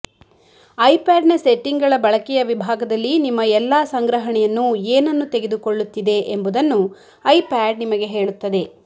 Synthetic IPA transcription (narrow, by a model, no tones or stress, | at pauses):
ɐjpaːɖnɐseʈːiŋɡɐɭɐbɐɭɐkɛjɐʋibʱaːɡɐd̪ɐlːinimːɐɛlːasɐŋɡɾɐɦɐɳɛjɐnːueːnɐnːut̪eɡe̞d̪uko̞ɭːut̪ːid̪e̞ʔembud̪ɐnːu | ɐjpaːɖ̚nimɐɡe̞ɦe̞ːɭut̪ːɐd̪e̞